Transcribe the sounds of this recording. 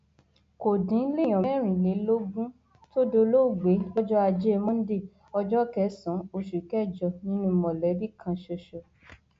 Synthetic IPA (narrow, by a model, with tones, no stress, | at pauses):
ko˨dĩ˨˦le˦j̃ɔ̃˨˦ɾ̃ĩ˨le˨˦lo˦ɡũ˦ | to˦do˧lo˦˨ɡ͡be˨˦jɔ˦d͡ʒɔ˦a˧d͡ʒe˦˧mɔ̃˦n̩˦de˦˨ | ɔ˧d͡ʒɔ˦kɛ˨˦sɔ̃˨˦o˧ʃu˨kɛ˦˨d͡ʒɔ˧˨nĩ˦nũ˦˨mɔ̃˨lɛ˨˦bi˦kʰã˧ʃo˧ʃo˧